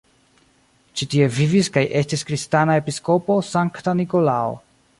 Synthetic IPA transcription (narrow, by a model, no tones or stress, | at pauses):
t͡ʃitie̞viviskajʔe̞stiskɾistanae̞pisko̞po̞saŋktaniko̞lao̰